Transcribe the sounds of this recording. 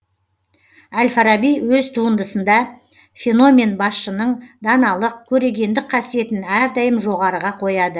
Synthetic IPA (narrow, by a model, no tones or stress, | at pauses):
ælʲfaɾabijwɵzt̪ʰuənd̪əsənd̪ɑ | fʲe̞no̞mʲe̞nbɑsʃənəɴd̪ɑnɑlˠəq̚kʲʰɵɾe̞ɡʲe̞nd̪ɪk̚qʰɑsije̞t̪ɪnæɾd̪ɑjəmʒo̞ʁɑɾəʁɑqʰo̞jɑd̪ə